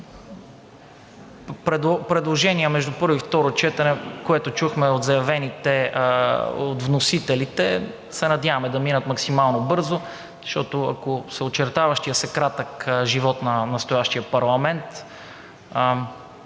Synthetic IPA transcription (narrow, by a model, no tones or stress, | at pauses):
pɾɛd̪opɾɛd̪lˠoʒɛniəmɛʒd̪upɤɾvoʊift̪ɔɾot͡ʃɛt̪ɐnɛkoɛt̪ot͡ʃuxmɛod̪zɐjɐvɛnit̪ɛ | ot̪vnosit̪ɛlit̪ɛ | sɛnɐd̪ʲjavɐmɛd̪ɐminət̪mɐksimalˠnobɤɾzo | zʃt̪ɔt̪oɐ̰kosɛot͡ʃɛɾt̪avɐʃt̪ijəsɛkɾat̪əkʒivɔt̪nɐnɐst̪ojaʃt̪ijəpɐɾlˠɐmɛnt̪